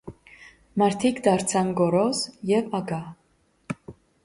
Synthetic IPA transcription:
mɑɾt̪ʰikd̪ɑɾt͡sʰɑnɡɔɾɔsjɛvɑɡɑ

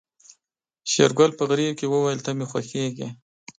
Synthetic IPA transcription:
ʃeɾɡalpəɣɾikewəwajəlt̪amexwaxeɡi

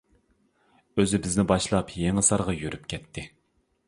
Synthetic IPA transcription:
øzɪbɪznɪbɑʃlˠɑpjeŋɨsɑɾʁɑjyɾypkʲʰɛt̪ʰːɪ

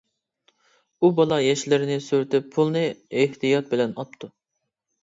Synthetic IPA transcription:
ubɑlˠɑjɛʃlɪɾɪnɪsyɾt̪ʰɪpʰːulˠnɨɪht̪ʰijɑt̪̚bɪlɛnɑp̚t̪ʰːu

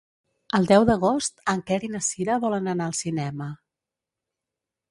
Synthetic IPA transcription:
əlˠd̪ɛwðəɣ̞ost̪əŋkɛɾinəsiɾəβɔlənənaəlˠsinɛmə

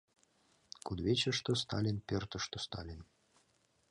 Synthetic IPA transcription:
kud̪βʲet͡ɕə̆ʃt̪ŏst̪ɑlʲinpʲørt̪ɤ̆ʃt̪ŏst̪ɑ̰lʲin

